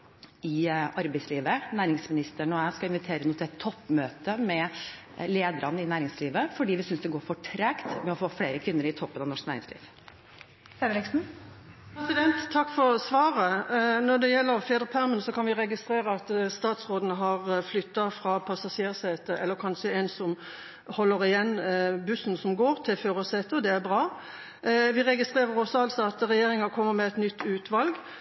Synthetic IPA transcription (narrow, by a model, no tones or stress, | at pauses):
ɪʔɑɾbæɪsliːʋənæːɾɪŋsmɪnɪst̪əɳɔæɪskɑɪnʋɪt̪ʰeːɾənuːt̪ʰɪlɛt̪ʰːɔpːmøːt̪əmɛ | leːd̪əɾʔɑnːəɪnæːɾɪŋsliːʋəfɔɖiːʋɪsʏnsd̪ɛɡoːɾfɔʈʰɾɛkt̪mɛɔfoːfleːɾəkʰʋɪnːəɾɪt̪ʰɔpːənɑʋnɔʂknæːɾɪ̰ŋslḭːʋ | ɛlɪksn̩ | pʰɾɛsɪd̪ɛnt̪ʰːɑkːfɔɾsʋɑːɾənɔd̪ɛjɛlːəɾfeːd̪ʁəpʰæʁmənsɔkʰɑnʋɪʁɛɡɪst̪ɾeːʁəɑt̪st̪ɑːt̪sʁoːd̪nəɦɑʁflʏt̪ːɑfɾɑːpʰɑsɑseːʁseːt̪əɛlːəɾkʰɑnʂəɛnsɔm | hɔlːəɾɪjɛnːbʉsən̩sɔmɡoːʁt̪ʰɪlføːʁɔseːt̪əd̪ɛæʁbʁɑː | ʋɪʁɛɡɪst̪ʁeːʁəɾɔsɔɑlsɔɑt̪ʁɛjeːʁɪŋɑkʰɔmːəɾmɛɛt̪nʏt̪ːʉːt̪ʋɑlɡ